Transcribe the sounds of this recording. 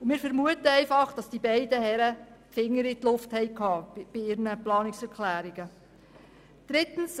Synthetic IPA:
mɪːɾfɛɾmuətəɛɪfɑχd̥ɑsd̥ibɛɪdəhɛɾə | fɪŋːəɾit̪lʊfthɛɪkhɑːb̥ɪɪɾnəplɑːnɪksɛɾkʰlæːɾiɡ̥ə | d̥ɾɪtn̩s

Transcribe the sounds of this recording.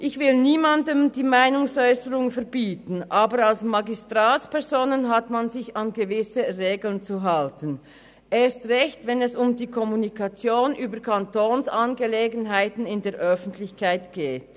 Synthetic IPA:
ʔɪçv̥ɪlniːmandəmdiːmaɪnʊŋsɔʏsəʁʊŋfɛɐbiːtn̩ʔaːbəʁalsmaɡistʁ̥aːtspʰɛɐzoːnənɦatmanzɪçanɡəvɪsəʁeːɡl̩nt͡suɦaltən | ʔeːstʁɛçtvɛnɛsʊmdiːkʰɔmunikʰat͡sjoːnʔyːbəkʰantoːnsʔanɡəleːɡən̩ɦaɪtn̩ɪndeːɐʔœfn̩tʰlɪçkʰaɪtɡ̥eːt

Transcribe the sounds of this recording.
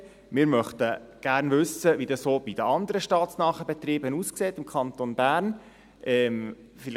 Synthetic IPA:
mɪːɾmœχt̪əɡ̥æːɾnʋʏsːəʋidɑssoːb̥id̥̪əɑnd̪əɾəʃtɑːt̪snɑːχəbɛt̪ɾiːbənuːskseːtɪmkʰɑnt̪onbæːɾn | ʔɛm | fɪl

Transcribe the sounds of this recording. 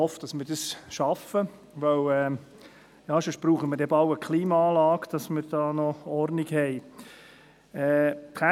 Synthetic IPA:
ɔfd̥ɑsmɪɾd̥əsʃɑfə | ʋœwɛ | jɑːʃɔʃb̥ɾuːχəməɾdɛbɑʊəkχliːmɑɑːlɑːɡd̥ɑsmɪɾd̥ɑːnɔɔrnɪɡhɛɪ | ɛkʰæ

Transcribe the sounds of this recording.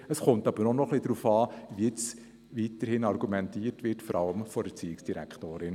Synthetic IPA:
əsχʊntɑb̥əɾnɔnɔχlidɾuːfɑːʋiɪt͡s | ʋiːtəɾhɪnɑɾɡumɛntiːətvʋɪtfɔɾɑləmfɔdət͡siːɪksd̥iɾæ̰kχtoːɾɪn

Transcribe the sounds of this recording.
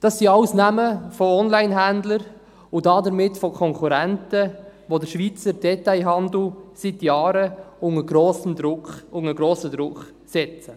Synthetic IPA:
d̥ɑsːiɑwsnæməfɔɔnlaɪnɦænd̪ləɾ | ʊdɑːdəɾmɪtfɔkʰɔŋkuɾæntəʋodəɾʃʋiːt͡səɾd̥ɛtaɪɦɑnd̪l̩sitjɑːɾəʊŋəɡɾoːsəmdɾʊkχʊŋəɡɾoːsəd̪ɾʊkχ | sɛt͡sə

